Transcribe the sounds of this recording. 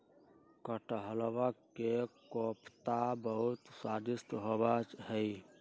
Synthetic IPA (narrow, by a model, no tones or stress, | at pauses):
kəʈɦəlbəkkːekopʰt̪abəɦut̪sad̪ist̪ɦobat͡ʃɦəj